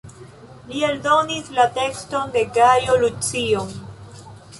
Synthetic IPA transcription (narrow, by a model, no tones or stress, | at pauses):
lieldo̞nislate̞ksto̞nde̞ɡajo̞lut͡sio